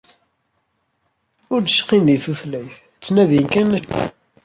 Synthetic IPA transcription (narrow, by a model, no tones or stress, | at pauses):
ʊɾd̪əʃqːinðiθuθlæjθ | t͡sːnæðjənkænæ